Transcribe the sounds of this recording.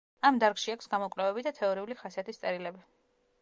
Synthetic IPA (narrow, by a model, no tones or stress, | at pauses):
amd̪aɾɡʃiakʷʰsɡamɔkʼvɾɛvɛbid̪at̪ʰɛɔɾiuliχasiat̪ist̪sʼɛɾilɛbi